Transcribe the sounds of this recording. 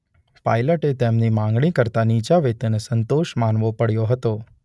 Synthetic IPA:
pa̰jləʈet̪emnimãŋɡɽikəɾt̪anit͡ʃaʋet̪enesənt̪oʃmanʋopəɽjoɦət̪o

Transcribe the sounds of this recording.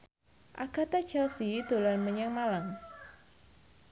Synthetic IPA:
ʔa̰ɡ̥a̤t̪ḁt͡ʃalsid̪̥o̤lanməɲɛŋmalaŋ

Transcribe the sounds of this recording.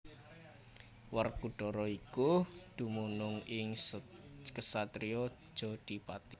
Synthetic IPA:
wərkuɖ̥ɔɾɔikud̪̥ṳmunʊŋɪŋ | kəsat̪ɾiɔ̥ | ʒ̥ɔ̤d̪̥i̤pat̪i

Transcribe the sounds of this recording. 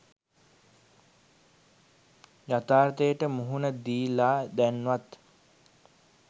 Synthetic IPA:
jat̪aːɾt̪əjəʈəmuɦunəd̪iːlaːd̪ænʋat̪

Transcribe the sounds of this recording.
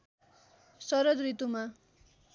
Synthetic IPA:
sʌɾʌd̪rit̪uma

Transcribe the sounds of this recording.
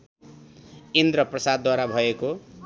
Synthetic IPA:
ind̪rʌprʌsad̪waɾabʱʌeko

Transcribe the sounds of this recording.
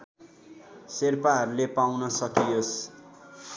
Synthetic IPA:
serpaɦʌɾulepawnʌsʌkijos

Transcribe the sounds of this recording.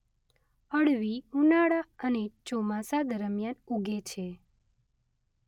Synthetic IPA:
əɽʋiunaɽaənet͡ʃomasad̪əɾəmjanuɡʱet͡ʃʰe

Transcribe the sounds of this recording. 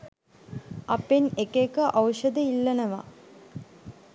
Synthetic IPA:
ɐpenekekəʔawʃəd̪əilːɐnəʋa̰

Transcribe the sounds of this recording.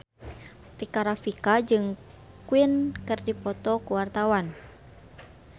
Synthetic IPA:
pɾikaɾafikad͡ʒɨŋ | kuinkɨrdipɔt̪ɔkuwart̪awan

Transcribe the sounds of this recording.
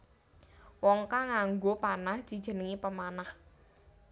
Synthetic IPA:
wɔŋkaŋaŋɡopanahd̥ʒ̥i̤d̥ʒ̥ə̤nəŋipəmanah

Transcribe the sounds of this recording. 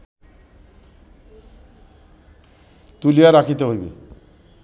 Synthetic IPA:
t̪ulijaɾakʰit̪eɦojbḭ

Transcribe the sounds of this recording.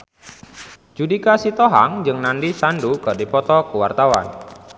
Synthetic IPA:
d͡ʒudikasit̪ɔɦaŋd͡ʒɨŋnandisandukərdipɔt̪ɔkuwart̪awa̰n

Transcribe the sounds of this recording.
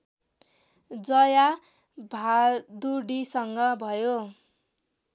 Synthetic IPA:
d͡zʌja | bʱad̪uɽisʌŋɡʌbʱʌjo

